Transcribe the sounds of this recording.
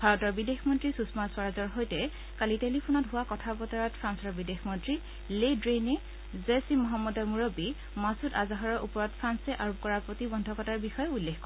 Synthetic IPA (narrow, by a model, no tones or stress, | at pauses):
b̥ʱaɹɔtɔɹbidexmɔntɹisusmaswaɹazɔɹɦojtɛ | kalitelipʰunɔtɦʊwakɔtʰabɔtaɹɔt̚pʰɹansɔɹbidexmɔntɹi | ledɹene | zesimɔɦamːɔdɔɹmuɹɔbi | masutazaɦɔɹɔɹʔupɔɹɔt̚pʰɹansɛʔaɹup̚kɔɹaɹpɹotibɔndʱɔkɔtaɹbixɔjɛulːexkɔ